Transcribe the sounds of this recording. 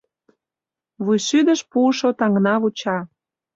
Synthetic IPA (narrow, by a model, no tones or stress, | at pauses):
βujʃyd̪əʃpuːʃot̪ɑŋnɑβut͡ɕɑ